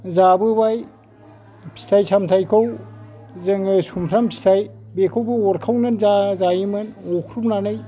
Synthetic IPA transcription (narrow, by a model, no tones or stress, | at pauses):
zabɯbaj | pʰi̥tʰajsʰamtʰajkʰɯw | zɯŋɯsumpʰɾampʰi̥tʰajbekʰawbɯɔɾkʰawnɯnzazajimɯnɔkʰɾupnanɯj